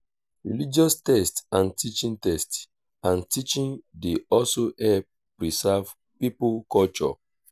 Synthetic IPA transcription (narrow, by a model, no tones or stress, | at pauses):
ɹilid͡ʒɔstɛstãntit͡ʃĩntɛst | ãntit͡ʃĩndeɔlsohɛlp̚ | pɹisɛv | pipukɔlt͡ʃɔ̰